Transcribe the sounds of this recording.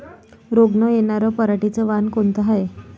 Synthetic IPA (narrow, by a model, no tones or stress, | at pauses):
ɾoɡɳəjenaɾəpəɾaʈit͡səʋankont̪əɦaje